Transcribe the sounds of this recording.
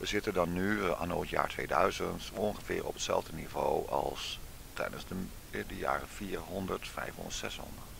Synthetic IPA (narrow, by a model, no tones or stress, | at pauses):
ʋəzɪtədɑnːya̰ːnoːtja̰ːɹtʋejdœɥzəntɔnχəvɪːɹɔpətsɛlˠvdənivoːwɑlˠs | tɛjdənzdə | dəja̰ːrəfiːɹɦɔndəɹtfɛjfɦɔ̰ndətsɛsɦɔ̰ndət